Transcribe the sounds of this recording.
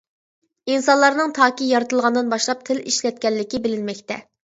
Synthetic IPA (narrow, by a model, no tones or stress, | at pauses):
insɑnlˠɑɾnɨŋt̪ʰɑːkʲijɑɾɨt̪ɨlˠʁɑnd̪ɨnbɑʃlˠɑp̚t̪ʰɪliʃlɛt̪̚kʲɛlːɪkʲibɪlɪnmɛkʲt̪ɛ